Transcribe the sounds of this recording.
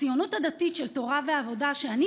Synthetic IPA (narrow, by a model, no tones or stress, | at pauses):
ijo̞not̪had̪at̪it̪ʃelt̪o̞ʁaveavo̞daʃeani